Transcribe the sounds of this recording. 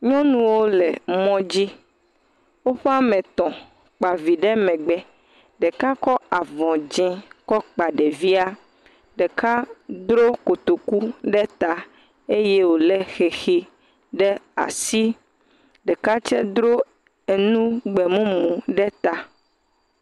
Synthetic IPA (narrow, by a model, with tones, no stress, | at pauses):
ɲɔ̃˦nũ˦wo˦lɛ˨mɔ̃˦d͡ʑi˦ | wo˦ɸɛ˦a˦mɛ̃˨t̪ɔ̃˨ | k͡pa˨vi˨ɖɛ˦mɛ̃˨ɡ͡bɛ˨ | ɖɛ˨ka˦kɔ˦a˨vɔ̃˨d͡ʒɛ̃˦kɔ˦k͡pa˨ɖɛ˨vi˦a˦ | ɖɛ˨ka˦d̪ɾo˦ko˨t̪o˨ku˦ɖɛ˦t̪a˨ | e˦je˦wo˨lɛ˦xɛ˨xi˦ | ɖɛ˦a̰˨si˦ | ɖɛ˨ka˦t͡ʃɛ˦d̪ɾo˦ | e˨nũ˦ɡ͡bɛ˨mũ˦mũ˨ɖɛ˦t̪a˨